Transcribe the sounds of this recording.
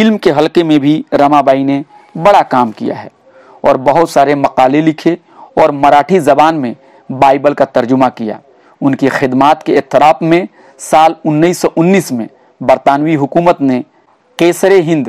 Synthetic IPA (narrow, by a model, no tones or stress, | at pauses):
ɪlmkeɦɐlkemẽbʱiɾɐmabaːine | bɐɽakaːmkḭja̰ɦɛ̰ː | ɔːɾbɐɦʊt̪saːɾemɐqaːlelɪkʰe | ɔːɾmɐɾaːʈʰizɐbaːnmẽ | baːɪbəlkat̪ɐɾd͡ʒʊmakija̰ː | ʊnkixɪd̪maːt̪keɛt̪ːɪɾaːpmẽ | saːlʊnːəiːsɔʔʊnːiːsmẽ | bɐɾt̪aːnwiɦʊkuːmət̪ne | qeːsɾeɦɪ̃nd̪